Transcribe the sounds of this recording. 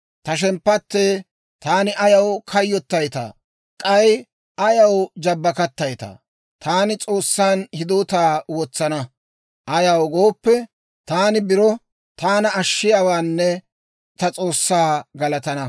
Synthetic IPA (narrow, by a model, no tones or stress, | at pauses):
t̪ɐʃ̬ɛmpːɐt̪ːeː | t̪aːnɪʔɐjɐwkʰɐjːɔt̪ːɐjt̪a̰ː | kʼɐj | ʔɐjɐwd͡ʒɐbːɐkɐt̪ːɐjt̪a̰ː | t̪aːnɪt͡sʼo̞ːsːaːnhɪd̪oːt̪aːwɔt͡sːɐnɐ | ʔɐjɐwɡo̞ːpːɛ | t̪aːnɪbɪɾɔ | t̪aːnɐːʃːɪjaːwaːnːɛ | t̪ɐt͡sʼo̞ːsːaːɡɐlɐt̪ɐnɐ